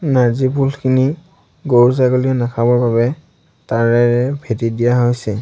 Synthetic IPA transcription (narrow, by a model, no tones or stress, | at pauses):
naɹzipʰulkʰini | ɡoɹuzaɡoliɔnakʰabɔɹbabɛ | taɹdajɹɛbʱetidijaɦojsɛ